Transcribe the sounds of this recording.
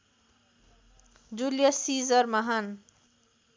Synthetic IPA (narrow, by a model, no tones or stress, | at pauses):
d͡zuljʌsid͡zʌrmʌɦan